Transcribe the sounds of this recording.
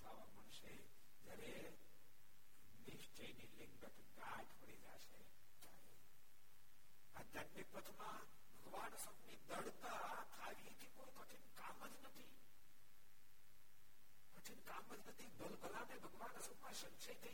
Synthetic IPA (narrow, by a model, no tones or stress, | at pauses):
t̪aʋaməɳʃe | d͡ʒjaɾe | nɪʃt͡ʃejnilɪ̃ŋɡdət̪ | ɡ̪a | ʈpəɽid͡ʒa̰ʃe | d͡ʒae | ad̪anjəkpət̪ʰmã | bʱəɡʋansəknid̪əɽt̪a | k̪ʰaʋit̪ʰikoikət͡ʃʰinkaməd͡ʒnət̪ʰi | pət͡ʃʰinkaməd͡ʒnət̪ʰid̪əlbəlanebʱəɡʋanəsəkmãʃənʃəjt̪ʰə